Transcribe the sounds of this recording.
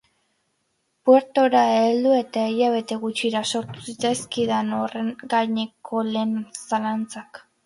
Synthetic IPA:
pwe̞ɾt̪o̞ɾaeːld̪ue̞t̪aejaβ̞e̞t̪e̞ɣut͡ʃiɾaso̞ɾt̪u̥sit͡saskiðanoreŋɡaɲe̞kʰo̞leːnsalant͡sak

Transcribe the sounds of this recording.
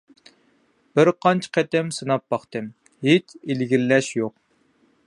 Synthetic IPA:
b̥ɪɾqʰɑnt͡ʃʰə̥qʰɛt̪ɪmsɨnɑp̚bɑχt̪ɨm | ɦet͡ʃilɡʲillɛʃjoq̚

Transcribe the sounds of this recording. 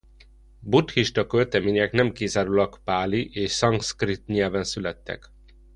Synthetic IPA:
but̪hiʃt̪ɒkølt̪ɛmeːɲɛknɛmkizaːɾulɒkpaːliʔeːʃsɒŋskrit̪ɲɛlvɛnsylɛt̪ːɛ̰k

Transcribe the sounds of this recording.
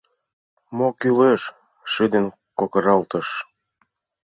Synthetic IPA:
mokyleʃː | id̪en | kokɤ̆ɾɑlt̪ɤ̆ʃ

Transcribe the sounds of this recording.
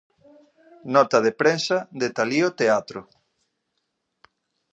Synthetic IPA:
nɔt̪ɐðepɾensɐðd̪et̪aliot̪eat̪ɾʊ

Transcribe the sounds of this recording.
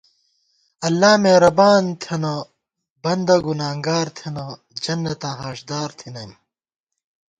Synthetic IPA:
ɐlːaːmeɾɐbaːnt̪ʰɐnɐ | bɐnd̪ɐɡunaːŋɡaːɾt̪ʰɐnɐ | d͡ʑɐnːɐt̪ãːɦaːɕd̪aːɾt̪ʰinɐjm

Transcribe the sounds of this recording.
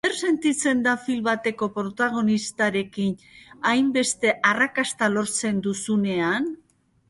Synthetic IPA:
eɾse̞nt̪it͡se̞nd̪afilβat̪e̞ko̞pɾo̞t̪aɣ̞o̞nist̪aɾe̞kinajmbe̞st̪e̞ʔarakast̪alo̞ɾt͡se̞nd̪usune̞an

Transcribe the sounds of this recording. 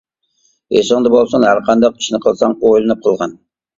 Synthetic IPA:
esɨŋd̪ɑbolˠsɑnhæɾqʰɑnd̪ɑqi̥ʃnɪqʰəlˠsɑŋojlˠɨnɨp̚qʰəlˠʁɑn

